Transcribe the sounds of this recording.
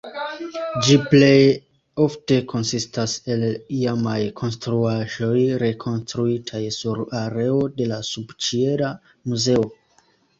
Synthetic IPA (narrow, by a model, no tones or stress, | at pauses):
d͡ʒiple̞j | o̞fte̞kʰo̞nsistase̞liamajkʰo̞nstɾuaʒo̞jɾe̞kʰo̞nstɾuitʰajsuɾaɾe̞o̞de̞lasubt͡ʃie̞ɾa | muze̞o̞